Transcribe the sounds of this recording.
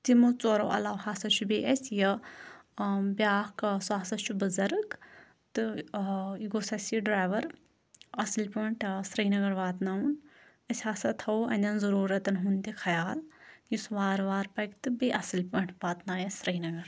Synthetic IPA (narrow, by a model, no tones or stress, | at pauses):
t̪imut͡soːɾoʔɐ̰laʋhaːsɐt͡ʃʰubeːʔɐsʲjɐ | bjaːkswaːsɐt͡ʃʰubɨzɐɾɨk | t̪ɨ | iɡoːsɐsiɖɾaːʋɐɾ | ɐslʲpɐɳʈʰsɾɐinɐɡɐɾʋaːt̪naun | ɐsʲhaːsɐt̪ʰɐwɐnʲd̪ɐnzɐɾuːɾɐt̪ɐnɦunt̪ʲikʰɐjaːljisʋaːɾʋaːɾpɐkt̪ɨbiʔɐsɨlʲpɐɳʈʰʋaːt̪naːjɐsɾɐinɐɡɐɾ